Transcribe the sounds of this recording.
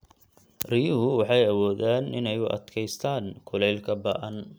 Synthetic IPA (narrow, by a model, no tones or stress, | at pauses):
rijʊɦʊwɑħɑjɐwɔːðaːnʔɪ̰nɛjʊʔɐ̰d̪kʰɛjst̪ʰaːnkʰʊlɛjlkʰɐbɐ̰ʔɐn